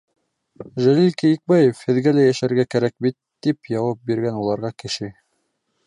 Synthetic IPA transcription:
ʒælilkijik̚bæjefhɘ̆ðɡælæjæʃæɾɡækæɾæk̚bit̪ːipjɑwɑp̚biɾɡænulˠɑɾʁɑkɘ̆ʃɘ

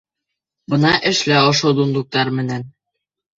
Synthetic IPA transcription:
bɤ̆nɑʔɘ̆ʃlæŏʃod̪und̪uk̚t̪ɑɾmɘ̆næn

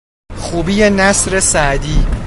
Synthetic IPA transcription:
xuːbiːjenæsɾe̞sæʔd̪iː

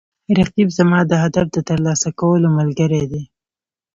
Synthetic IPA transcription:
ɾaqibzamɑd̪əɦad̪afd̪ət̪əɾlɑsakawəlomalɡəɾed̪e

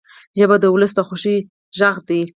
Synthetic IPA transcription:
ʒabad̪əwʊləsd̪əxʊʃi | ʒaɣd̪i

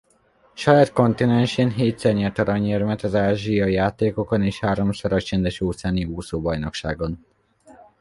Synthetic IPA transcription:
ʃɒjaːt̪ko̞nt̪inɛnʃeːnɦeːt̪sɛrɲɛrt̪ɒɾɒɲermɛt̪ɒzaːʒijɒijaːt̪eːko̞koneːʃhaːɾo̞msɒɾɒkt͡ʃɛnd̪ɛʃoːt̪saːniɡuːsoːbɒjnokʃa̰ːɡo̞n

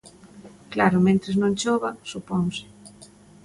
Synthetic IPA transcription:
klaɾʊmẽnt̪ɾɪznõŋt͡ʃoβasupoŋsɪ̥

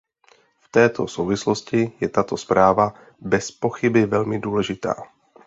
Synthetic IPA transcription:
ft̪ɛːt̪ʰosowvɪsloscɪjɛt̪at̪ospɾaːva | bɛspoxɪbɪvɛlmɪduːlɛʒɪt̪a̰ː

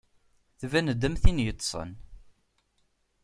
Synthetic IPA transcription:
θvænəd̪ːəmθinjət̪ˤːsˤə̰n

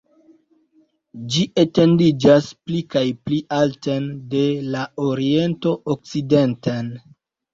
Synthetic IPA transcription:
d͡ʒiʔete̞ndid͡ʒasplikajpliʔaltende̞lao̞ɾie̞nto̞ʔok̚t͡side̞ntan

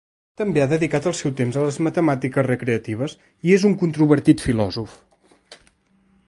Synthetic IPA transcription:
t̪əmbeaðəðikat̪əlˠsɛwt̪emzələzmət̪əmat̪ikəsrəkɾeət̪iβ̞əs | iezuŋkunt̪ɾuβəɾt̪it̪filɔzuf

